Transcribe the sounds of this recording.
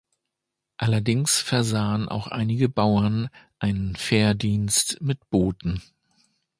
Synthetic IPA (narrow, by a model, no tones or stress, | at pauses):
ʔalɐdɪŋsfɛɐzaːənʔa̰ʊxʔa̰ɪnɪɡəbaʊɐnʔaɪnənfɛːɐdiːnstmɪtb̥oːtn̩